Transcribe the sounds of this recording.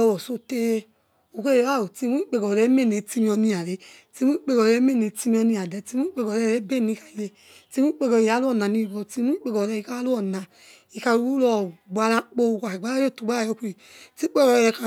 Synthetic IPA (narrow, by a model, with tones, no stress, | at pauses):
ɔ˧wɔ˨so˧te˧ | o˧˨ke˦˨e˧wa˦˨o˨ti˧mu˦i˦k͡pe˧kɔ˨ɾe˨˦me˦˨ne˨˧ti˧mĩ˧ɔ˧nĩ˧a˨ɾe˨˦ | ti˧mu˦i˦k͡pe˧kɔ˨ɾɛ˨˦me˦˨ne˨˧ti˧mĩ˧ɔ˧nĩ˧a˨dɛ˨˦ti˧˦mu˦i˦k͡pe˧kɔ˨ɛ˧˦˧ɾe˨˦be˦˨nĩ˨˧ka˧˨i˨je˧ | ti˧mũ˦i˦k͡pe˧kɔ˧˨i˨˧a˨˦lu˦ɔ˦˨a˨ni˧˨ɡɔ˧˨ti˧mu˦i˦k͡pe˧kɔ˨ɾɛ˧i˧ka˧˦a˦lu˦ɔ˦˨na˨ | i˧ka˧ɾu˧u˦lɔ˧˨ɡ͡ba˧ɾa˧˦k͡po˧u˧kʷa˨i˨ɡ͡ba˨˦a˦o˦˨tu˨ɡ͡ba˦a˦˨jɔ˨˧ki˧i˨ti˦k͡pe˦˧ɔ˧ɾɛ˧ka˧